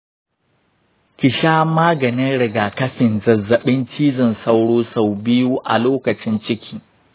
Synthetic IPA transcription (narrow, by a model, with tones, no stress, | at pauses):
kʲɪ˨ʃaː˦maː˦ɡɐ˨nɪ˦nɽɪ˨ɡaː˨kɐ˦ɸɪ˨nzɐ˨zːɐ˨ɓɪ˦nt͡ʃiː˦zɪ˨nsa˦wɽoː˦sa˨wbɪ˦juː˦ʔa̰˨loː˦kɐ˨t͡ʃɪ˦nt͡ʃɪ˦kʲʰiː˦